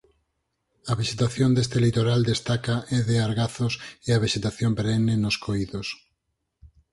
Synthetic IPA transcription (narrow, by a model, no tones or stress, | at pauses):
ɐβeʃet̪aθjond̪est̪elit̪oɾald̪est̪akaʔeðeaɾɣaθoseaβeʃet̪aθjompeɾenenoskʰoiðos